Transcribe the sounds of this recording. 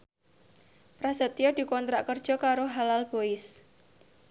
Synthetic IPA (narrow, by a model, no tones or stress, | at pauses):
pɾasət̪jɔd̪̥i̤kɔnt̪ɾaʔkərd̥ʒ̥ɔ̤kaɾoɦalalb̥oɪs